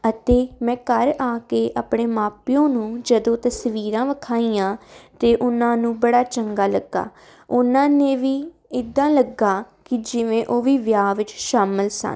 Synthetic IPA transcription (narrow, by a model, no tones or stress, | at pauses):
ət̪eːmɛ̃ːkəɾaːkeːʔəpɳeːmaːpjõːnũːd͡ʒəd̪õːt̪əsʋiːɾãːʋəkʰaːiːjãːt̪eːʔʊnãːnũːbəɽaːt͡ʃəŋɡaːləɡːa̰ː | ʊnãːneːʋiː | ɪd̪ãːləɡaː | kɪd͡ʒɪʋẽːʔoːʋiːʋjaːʋɪt͡ʃʃaːməlsə̰n